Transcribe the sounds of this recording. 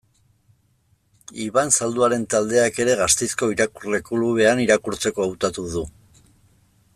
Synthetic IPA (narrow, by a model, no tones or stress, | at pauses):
iβansald̪uaɾe̞nt̪ald̪e̞ake̞ɾe̞ɣast̪ejsko̞iɾakurle̞kuluβ̞e̞aniɾakuɾt͡se̞ko̞awt̪at̪uðu